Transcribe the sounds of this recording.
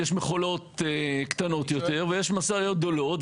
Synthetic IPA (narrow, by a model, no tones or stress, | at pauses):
jeʃmeχolo̞t̪ekt̪ano̞t̪jot̪e̞ʁvejeʃmasajot̪̚d̪o̞lo̞t̪